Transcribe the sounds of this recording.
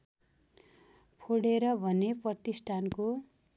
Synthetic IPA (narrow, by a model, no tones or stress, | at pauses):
pʰoɽeɾʌbʱʌneprʌt̪isʈʰanko